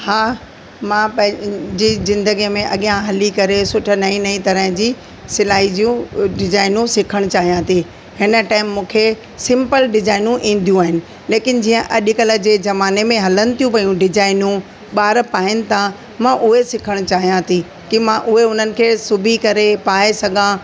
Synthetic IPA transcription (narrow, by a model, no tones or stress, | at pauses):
haː | mãpɐ̃ɪ̃d͡ʑiːzɪ̃nd̪əɡimẽʔɐɠijãɦɐlikɐɾesʊʈʰə̆nɐĩnɐĩt̪ɐɾəɦd͡ʑiː | sɪlaːɦid͡ʑijũɖɪzaːɪnũsɪkʰəɽ̃t͡ɕaːɦijãt̪ʰi | hɪnə̆ʈaːɪmːũːkʰe | sɪ̃mpəlɖɪzaːɪnũʔĩːn̆d̪ʱijũaːɦɪnɪ̆ | leːkɪn̆d͡ʑiːə̃ʔɐɗɪkɐlə̆d͡ʑeːzɐmaːnemẽɦɐlənɪ̆t̪ʰijũpɐjũɖɪd͡ʑaːɪnũ | ɓaːɾpaːɪnɪ̆t̪ʰã | mãʔʊɦesɪkʰəɽ̃t͡ɕaːɦijãt̪ʰi | kimãʔʊɦeʊn̤ənɪ̆kʰeːsʊbʱikɐɾepaːesɐɡʱã